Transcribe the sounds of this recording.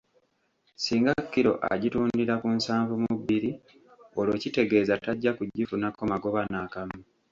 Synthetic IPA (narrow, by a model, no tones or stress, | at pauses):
siːŋɡakːiɾo̞̰ʔa̰ɟituːndiɾakunsaːɱvumuβːiɾi | o̞lo̞cite̞ɡe̞ːzataɟːakuɟːifunako̞maɡo̞βanakamu